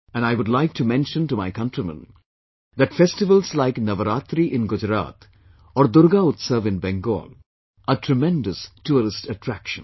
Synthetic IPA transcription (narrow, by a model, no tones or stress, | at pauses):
ɛ̃naɪʋʊdlaɪk̚ʈʰumɛ̃nʃə̃nʈumaɪkʌ̃nʈɾimə̰̃n | d̪æʈfɛsʈɪʋəlslaɪknɐʋəɾaːt̪ɾiʔɪ̃nɡʊd͡ʒɾa̰ːt̪ | ɔːɾd̪ʊɾɡaʊt̪səʋɪ̃nbɛ̃ŋɡo̰ːl | əʈʰɾəmɛ̃ndəstuɾɪsʈəʈɾækʃə̰̃n